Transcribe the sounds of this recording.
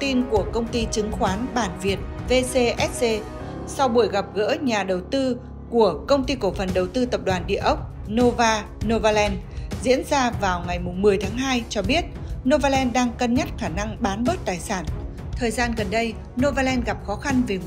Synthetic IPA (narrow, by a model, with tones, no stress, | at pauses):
t̪i˧nku˧˩əkə˧wŋ͡mt̪i˧t͡ɕɨ˨˦ŋxwaː˨˦nɓaː˧˩nvi˨˩ət̚ve˧se˧ʔɛ˦˥t̚se˧ | sa˧wɓu˧˩əjɣa˨˩p̚ɣə̰˧˥ɲaː˨˩ɗə˨˩wt̪ɨ˧ | ku˧˩əkə˧wŋ͡mt̪i˧ko˧˩fə˨˩nɗə˨˩wt̪ɨ˧t̪ə˨˩p̚ɗwaː˨˩nɗḭ˧˨əʔə˦˥wk͡p̚ | no˧vaː˧ | no˧vaː˧lɛ˧nzḭ˧˥ənzaː˧vaː˨˩wŋa˨˩jmʊ˨˩ŋ͡mmɨ˨˩əjt̪ʰaː˨˦ŋɦaː˧jt͡ɕɔ˧ɓi˦˥ət̚no˧vaː˧lɛ˧nɗaː˧ŋkə˧nɲə˦˥t̚xaː˧˩na˧ŋɓaː˨˦nɓə˦˥t̚t̪aː˨˩jsaː˧˩n | t̪ʰəː˨˩jzaː˧nɣə˨˩nɗə˧j | no˧vaː˧lɛ˧nɣa˨˩p̚xɔ˨˦xa˧nve˨˩